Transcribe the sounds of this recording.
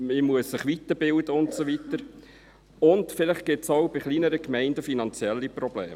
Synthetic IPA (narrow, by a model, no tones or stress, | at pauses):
mimuəsːɪχʋit̪əbɪld̪əʊntsovit̪əɾ | ʊnd̪fɪlɪχ̚ɡ̥ɪtsowbiχliːnəɾəkmɛɪndəfinɑnt͡sjɛlːiprɔb̥lḛːm